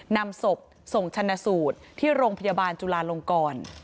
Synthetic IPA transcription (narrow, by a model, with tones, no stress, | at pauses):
na˧mso˨˩p̚ | so˨˩˦ŋt͡ɕʰa˧nːa˧suː˨˩t̪̚ʰiː˥˩ɾoː˧ŋpʰa˧jaː˧baː˧nt͡ɕu˧laː˧lo˧ŋkɔː˧n